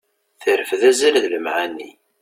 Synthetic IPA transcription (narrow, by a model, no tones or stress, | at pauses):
θəɾəfðæzælðləmʕanːḭ